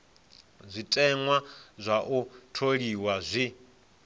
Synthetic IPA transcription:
zʷitʼɛŋwazʷaʔutʰoɺiwazʷi

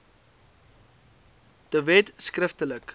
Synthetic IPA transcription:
d̥əvɛtskrəftələk

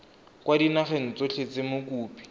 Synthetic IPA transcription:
kwadinaχen̩t͡soɬʰet͡semʊkuːpi̥

